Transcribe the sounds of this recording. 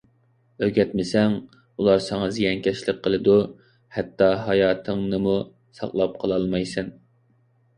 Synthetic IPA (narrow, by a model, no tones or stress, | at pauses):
øɡʲɛt̪mɪsɛŋ | ulˠɑɾsɪŋɑzijɛnkʲɛʃlɪqqʰːəlˠɨd̪u | hɛt̪ːɑɦɑjɑːt̪ʰɨŋnɨmu | sɑ̰qlˠɑp̚qʰəlˠɑlˠmɑjsɨn